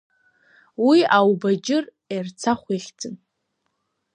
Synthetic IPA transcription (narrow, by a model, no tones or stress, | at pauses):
wiawbad͡ʒɪr | ert͡sʰaχʷeχʲt͡sʰʼɨn